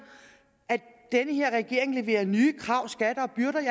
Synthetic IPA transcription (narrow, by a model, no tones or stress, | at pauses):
ʔæ̥ | d̥enəhe̝ɐ̰ʁɛɡ̥e̝ɐ̰eŋle̝ʋe̝̰ːɐnyːkʰʁɑ̈ʊ̰sɡ̥æɾ̥ɐɒ̽b̥yɐɾ̥ɐj